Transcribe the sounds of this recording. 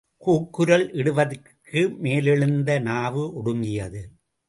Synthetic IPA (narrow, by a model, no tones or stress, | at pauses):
kuːkːɯɾɐlʔɪɽɯʋɐðɯɾ | kɯmeːlɪɻɯnd̪ɐnaːʋɯʔɔɽɯŋɡɪjɐðɯ